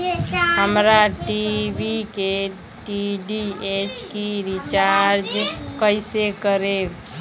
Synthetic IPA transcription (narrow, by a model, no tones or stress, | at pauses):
ɦəmɾaʈibʱike | ʈiɖiet͡ʃkiɾit͡ʃaɾd͡ʒkəjsekəɾe